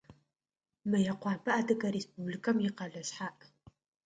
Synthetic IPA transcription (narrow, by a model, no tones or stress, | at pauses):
mɨjɐqʷɑːpʰɐʔaːdʰɨkɐɾespublikʰɐmjɪqɐɮɐɕħaːʔ